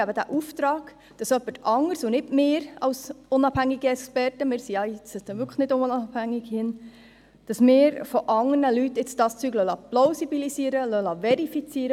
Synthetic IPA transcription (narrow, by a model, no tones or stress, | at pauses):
æbədæ̰ʔuft̪ɾɑːɡ̥ | d̥ɑsœpːətɑŋəɾsʊnɪdmeːɾɑwsʊnɑb̥hæŋiɡiɛkspɛrtəmɪːɾsiɑɪt͡səsd̥̪ɛʋʏɾkʰəχnɪdʊnɑbhæŋːɪɡ̥hɪn | d̥ɑsmɪːɾfɔʔɑŋərnəlytːɪt͡sd̥ɑst͡syːɡlœlɑplɔʊsibilisiːəɾəlœlɑvɛɾifit͡siːɾə